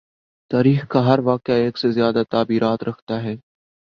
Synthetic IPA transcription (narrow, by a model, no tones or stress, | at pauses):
t̪aːɾiːxkaɦɐɾʋaːqɪjaeːksezjaːd̪at̪aːbiːɾaːt̪ɾɐkʰt̪aɦɛː